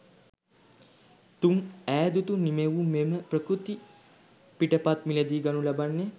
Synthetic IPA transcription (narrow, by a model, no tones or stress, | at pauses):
t̪uŋæːd̪ut̪unimeʋumeməprəkɾut̪i | piʈəpat̪milɐd̪iːɡanulabanːe